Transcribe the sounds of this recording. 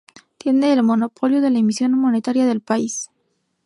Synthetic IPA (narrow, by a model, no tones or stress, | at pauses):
t̪je̞nd̪eːlmo̞no̞pʰo̞ljoðe̞laemisjo̞nmo̞net̪aɾjaðe̞lpais